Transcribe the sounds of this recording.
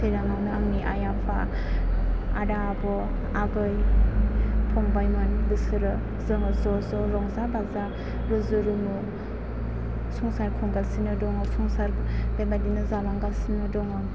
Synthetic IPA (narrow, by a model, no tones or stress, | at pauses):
sʰeɾaŋawnɯaŋniʔajapʰa | a̰da | bɔ | aɡɯj | pʰɔŋbajmɯnbɯsɯɾɯ | zɯŋɯzɔzɔɾɔŋzabaza | ɾɯzɯɾumɯ | sɔŋsaɾkʰuŋɡalsinɯdɔŋɯsɔŋsaɾb̥emadinɯzalaŋɡalsinɯdɔŋɯ